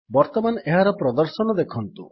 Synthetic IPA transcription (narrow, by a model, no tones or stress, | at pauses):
bɔɾt̪ɔmaneɦaɾɔpɾɔd̪ɔɾsɔnɔd̪ekʰɔnt̪ṵ